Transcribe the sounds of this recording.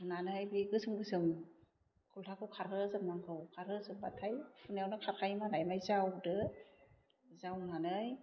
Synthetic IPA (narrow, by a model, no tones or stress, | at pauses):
unanɯjbiɡɯsɯŋɡɯsɯm | kʰultʰakʰɯwkʰaɾɡɯzɯk̚naŋkʰɯwkʰaɾɯzɯk̚batʰajpʰunjawnɯkʰaɾkʰajmalajmajzawdɯ | zawnanɯj